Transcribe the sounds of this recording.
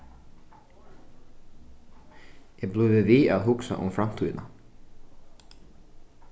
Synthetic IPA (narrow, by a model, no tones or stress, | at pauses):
jɛblʏvɪviaðɦʊksa̰ʔʊ̰mfɾam̥t̪ʰyːðna